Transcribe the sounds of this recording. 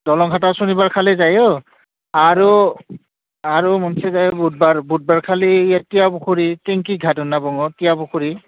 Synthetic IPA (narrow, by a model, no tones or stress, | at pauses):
dɔlɔŋɡʱatasunibaɹkʰalɛzajɔ | aɹu | aɹumɔnsɛzajɔbud̚baɹbud̚baɹkʰalijatijabuxʰuɹiteŋkiɡʱatʊnːabɔŋɔtijabukʰuɹi